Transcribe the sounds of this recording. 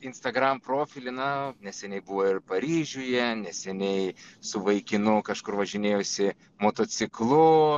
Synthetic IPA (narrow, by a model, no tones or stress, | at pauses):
ɪnst̪ɐɡɾɐmpɾoːfʲɪlʲɪnɐnʲɛsʲɛnʲɛɪbʊʋoːɪrpɐɾʲiːʒʲʊjɛnʲɛsʲɛnʲɛɪsʊʋɐɪkʲɪnʊkɐʃkʊrʋɐʒʲɪnʲeːjoːsʲɪ | moːt̪oːt͡s̪ʲɪklˠʊ